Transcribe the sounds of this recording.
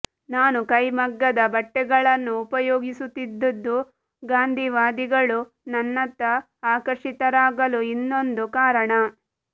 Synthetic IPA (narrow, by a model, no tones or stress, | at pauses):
naːnukɐjmɐɡːɐd̪ɐbɐʈːɛɡɐɭɐnːuːpɐjoːɡisut̪ːid̪ːɐd̪ːu | ɡaːnd̪ʱiʋaːd̪iɡɐɭu | nɐnːɐt̪ːɐ | aːkɐɾʂit̪ɐɾaːɡɐluinːo̞nd̪ukaːɾɐɳɐ